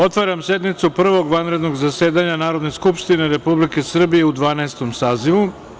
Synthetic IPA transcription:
o̞t̪ʋaɾamse̞d̪nit̪supr̩ʋo̞ɡʋanɾe̞d̪no̞ɡzase̞ːd̪aɲanaːɾo̞d̪neskupʃt̪ine̞ɾe̞publike̞sr̩bije̞ud̪ʋaːnaest̪o̞msaːziʋu

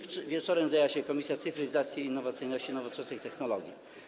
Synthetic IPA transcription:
vʲjɛt͡ʂɔɾɛmzajawaɕɛkɔmʲisʲjat̪sɨfɾɘzat̪sʲjiːnːɔvat̪sɘjnɔɕt͡ɕinɔvɔt͡ʂɛsnɨxt̪ɛxnɔlɔɡʲji

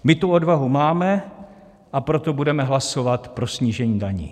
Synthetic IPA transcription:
mɪt̪uodvaɦumaːmɛ | ʔapɾot̪o̞budɛmɛɦlaso̞vat̪pɾo̞sɲiːʒɛɲiːdaɲḭː

